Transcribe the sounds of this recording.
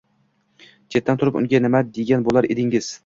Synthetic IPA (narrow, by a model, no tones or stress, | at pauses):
t͡ʃʰet̪ːant̪ʰʊɾɪpʊ̰ŋɡʲanɪmad̪eɡʲanbolˠaɾed̪ɪŋɪz̥